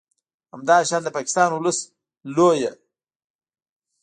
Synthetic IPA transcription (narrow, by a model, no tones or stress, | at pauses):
hamd̪ɑʃɑːnd̪əpɑkɪ̥st̪ɑnwʊləs | loja